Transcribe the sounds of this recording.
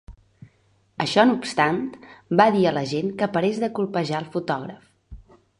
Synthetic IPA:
əʃɔnupst̪ant̪baðiələʒenkəpəɾezðəkulˠpəʒaəlˠfut̪ɔɣɾəf

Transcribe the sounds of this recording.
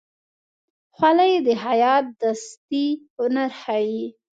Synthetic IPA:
xwalajed̪əɦajɑt̪̚d̪ast̪ihʊnaɾxawi

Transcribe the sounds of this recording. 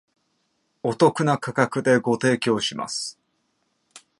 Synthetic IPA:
o̞t̪o̞kɯ̟nakakakɯ̟d̪e̞ɡo̞t̪e̞ːkʲo̞ːɕima̰sɨ̥

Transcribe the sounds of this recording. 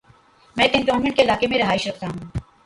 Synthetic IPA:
mɛ̃ːt̪enɔːnmɛ̃ɳʈ̚keɪlaːkemẽɾɐɦaːɪʃɾɐkʰt̪aɦũː

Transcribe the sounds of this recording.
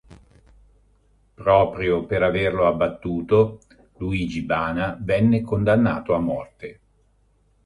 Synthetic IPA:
pɾɔːpɾjopeɾaverloabːat̪ːuːt̪o | luiːd͡ʒibaːnavɛnːekond̪anːaːt̪oamːɔrt̪e

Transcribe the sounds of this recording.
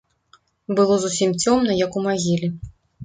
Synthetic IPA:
bɨlˠɔzusʲimt͡sʲɔmnɐjɐkumaɣʲilʲi

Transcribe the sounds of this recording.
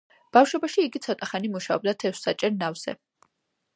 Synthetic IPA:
b̥afʃwɔbaʃiːɡit̪sʰɔt̪ʼaχanimuʃaɔb̚d̪at̪ʰɛfsːat͡ʃʼɛɾnavz̥ɛ̰

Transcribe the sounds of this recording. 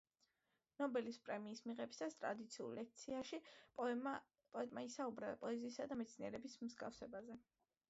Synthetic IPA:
nɔbɛlispʼɾɛmiːsmiʁɛbisast̪ʼɾa̰d̪it̪sʰiṵlˠlɛk̚ʰt̪sʰiaʃi | pʼɔɛt̪ʼmaisaubɾapʼɔɛziːsad̪amɛt̪sʰniɛɾɛbismzɡa̰fsɛbazɛ

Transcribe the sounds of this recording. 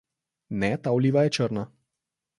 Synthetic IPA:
nɛt̪awliːʋajɛt͡ʃəɾna

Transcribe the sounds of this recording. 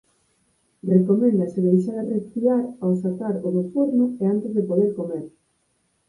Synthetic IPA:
rekomẽnd̪aseðejʃaɾrespiaɾawsak̪aɾoðoθuɾnʊeant̪ezðepoð̞eɾkomeɾ

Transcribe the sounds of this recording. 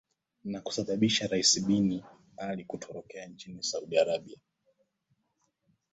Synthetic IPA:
naku̥saɓaɓiʃaɾaisiɓini | alikutʰɔɾɔkɛaɲt͡ʃinisauɗiaɾaɓia

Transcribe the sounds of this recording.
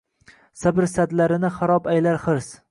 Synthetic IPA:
sabɪɾsad̪laɾɪnɪχaɾɒbajlaɾχɨɾs

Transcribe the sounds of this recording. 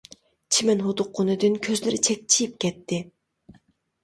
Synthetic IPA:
t͡ʃʰimɛnɦod̪ʊqːonɨd̪ɨnkʲʰøzlɪɾɪt͡ʃʰɛk̚ʲt͡ʃʰijip̚kʲʰɛt̪ʰːɪ

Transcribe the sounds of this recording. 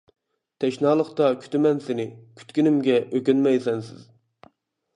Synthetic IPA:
t̪ʰɛʃnɑːlˠəχt̪ɑkʲʰy̥t̪ɪmɛnsɪnɪkʲʰy̥t̪kʲynɪmɡʲɛʔøkʲynmɛjsɛnsɪ̰z̥

